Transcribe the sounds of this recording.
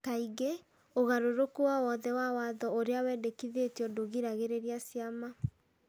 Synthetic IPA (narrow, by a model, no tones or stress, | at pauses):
kaiɣe | oɣaɾoɾokuwawɔðɛwawaðɔoɾeawɛːdekiðetiɔdoɣiɾaɣeɾeɾiasiama